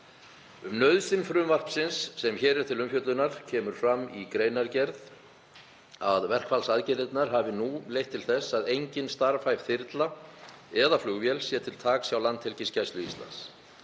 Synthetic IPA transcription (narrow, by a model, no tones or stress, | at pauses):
ʏmnœɥðsɪnfɾʏmvar̥psɪnsːɛmçɛːɾɛɾ̥t̪ʰɪlʏmfjœt̪lʏnaɾ̥cʰɛːmʏɾ̥fɾamikɾejnaɾcɛɾð | aðvɛr̥kfalsaðcɛɾɪt̪naɾ̥ɦaːvɪnulejht̪ʰːɪlθɛsːaðejɲcɪnst̪aɾfajv̥θɪɾt̪la | ɛðaflʏɣvjɛlsjɛt̪ʰɪlt̪ʰaːksjawlant̪hɛlcɪscajst̪ʏḭst̪la̰ns